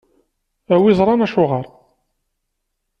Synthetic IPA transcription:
æwizˤɾˤɑnæʃʊʁəɾˤ

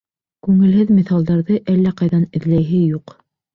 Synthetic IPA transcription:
kʉŋɘ̆lɦɘðmĭθɑlˠd̪ɑɾðɤʔælːæqɑjðɑnɘ̆ðlæjɦɘjuq

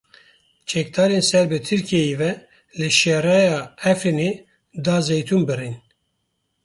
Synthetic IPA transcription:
t͡ʃʰɛk̚d̪ɑːɾensɛɾbɨt̪ʰɨɾkʰiejivɛ | lɨʃɛɾɑːjɑːɛfine | d̪ɑːzejt̪ʰumbɨrin

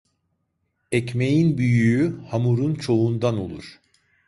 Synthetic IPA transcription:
ɛcmejinbyjyyhamuɾunt͡ʃʰo̞und̪ano̞̰lˠṵɾ̥

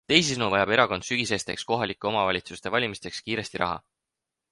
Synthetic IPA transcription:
t̪e̞jsisnuvɑjɑbe̞ɾɑko̞nd̪syɡ̥ise̞st̪e̞̰ksko̞ɦɑlikːˑeo̞mɑvɑlʲit̪sust̪e̞vɑlʲimist̪e̞kskiːɾe̞st̪iɾɑ̰ɦɑ̰

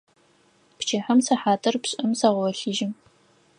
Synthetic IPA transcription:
pt͡ʃʰeːħɐmsɐħaːtʰɐrpɕʼɨmsɐʁwɐɬiʒɪm

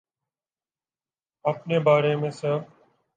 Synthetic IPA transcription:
əpneːbaːɾeːmẽːsãː

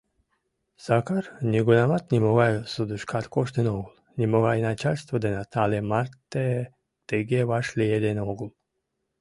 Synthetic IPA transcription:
sakaɾnʲiɡunamat̪nʲimoɣajsud̪uʃkʰaɾkoʃt̪ənoɡul | nʲimoɣajnat͡ʃalʲst̪vod̪enat̪ʰalemaɾt̪e | t̪eɡevaʃlʲejed̪enoɡlˠ

